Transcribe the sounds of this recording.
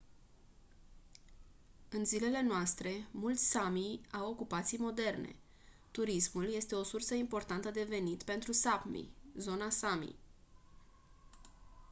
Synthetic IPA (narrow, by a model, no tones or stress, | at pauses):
ɨnzile̞le̞noast̪ɾe̞mult̪sʲsamijawo̞kupat̪sijmo̞d̪e̞rne̞̰ | t̪uɾismulje̞st̪e̞o̞sursəimpo̞rt̪ant̪əd̪e̞ve̞nit̪pe̞nt̪ɾusapmḭzo̞nasamḭ